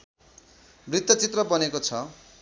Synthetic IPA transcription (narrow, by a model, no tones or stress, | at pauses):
brit̪ːʌt͡sit̪rʌbʌnekot͡sʰʌ